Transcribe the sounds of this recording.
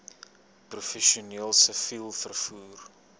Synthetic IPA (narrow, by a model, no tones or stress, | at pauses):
prufɛʃiuniəlˠsəfilˠfərfuːr